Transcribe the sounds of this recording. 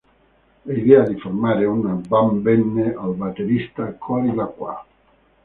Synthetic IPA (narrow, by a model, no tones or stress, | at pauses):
aid̪ɛad̪ifoɾmaːɾeunabambɛnːeʔalbat̪eɾist̪akʰɔɾilakwa̰